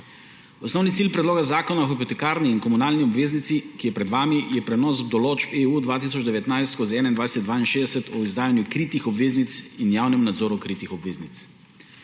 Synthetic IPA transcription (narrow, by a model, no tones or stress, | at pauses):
ɔsnɔwnit̪silpɾɛd̪loːɡazaːkɔnaɔxipot̪ɛkaːɾniːnkɔmunaːlniɔbʋeːznit̪sikijɛpɾɛd̪ʋaːmijɛpɾɛnɔsd̪ɔlot͡ʃbeud̪ʋaːt̪isɔd͡ʒd̪ɛʋɛt̪najst̪koziɛːnaind̪vajsɛt̪̚d̪ʋaːinʃeːd̪ɛsɛt̪ɔizd̪aːjanjukɾiːt̪ixɔbʋeːznit̪sinjaːwnɛmnad̪zɔːɾukɾiːt̪ixɔbʋeːznit̪s